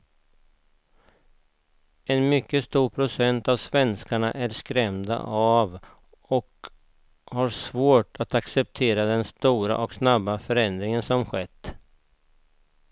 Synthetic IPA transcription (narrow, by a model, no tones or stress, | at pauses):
ɛnmʏkːəst̪uːɾpʰɾʊsɛnt̪avsvɛnskaɳaʔæɾskɾɛmd̪a̰ʔav | ɔk | haɾʂvoːʈat̪aksɛp̚t̪ʰeːɾad̪ɛnst̪uːɾa̰ʔɔksnabːafœɾɛnd̪ɾɪŋənsɔmɧɛt̪ː